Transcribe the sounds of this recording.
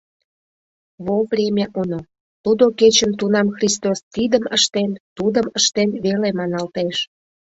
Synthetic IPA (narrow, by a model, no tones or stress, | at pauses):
βolprʲemʲjaʔuno | t̪ud̪oket͡ɕənt̪unɑmxrʲist̪ost̪id̪əməʃt̪ent̪ud̪əməʃt̪enβelemɑnɑlt̪eʃ